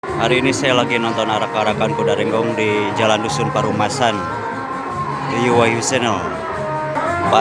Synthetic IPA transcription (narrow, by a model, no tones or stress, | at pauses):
haɾiːnisajalaɡinɔnt̪ɔnaɾakaɾakankudaɾɛŋɡɔŋdid͡ʒalandusunpaɾumasan | ijuwajusɛnɔ | ba